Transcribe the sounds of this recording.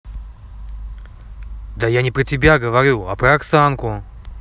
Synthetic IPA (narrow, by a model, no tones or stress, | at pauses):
d̪ajanʲɪpɾətʲɪbʲaɡəvɐɾʲuɐ̰pɾəɐksankʊ